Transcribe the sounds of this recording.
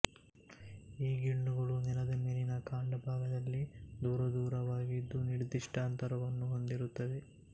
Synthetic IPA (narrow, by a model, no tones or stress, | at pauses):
iːɡiɳːuɡɐɭunɛlɐd̪ɐmeːlinɐkaːɳɖɐbʱaːɡɐd̪ɐlːid̪uːɾɐd̪uːɾɐʋaːɡid̪ːuniɽid̪iʂʈaːnt̪ɐɾɐʋɐnːuɦo̞nd̪iɾut̪ːɐd̪e